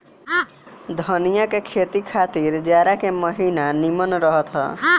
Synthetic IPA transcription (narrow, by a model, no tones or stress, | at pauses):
d̪ʱɔnijakekʰet̪ikʰat̪iɾd͡ʒaɾakemɔɦinanimɔnɾɔɦɔt̪ʰɔ̰